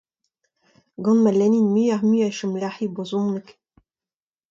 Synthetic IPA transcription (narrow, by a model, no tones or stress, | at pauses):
ɡɑ̃nmalɛninmiːaʁmyaʃumlaħibozɔ̃nək